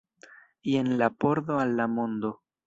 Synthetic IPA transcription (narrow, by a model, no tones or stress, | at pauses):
jenlapo̞ɾðoalːamond̪o̞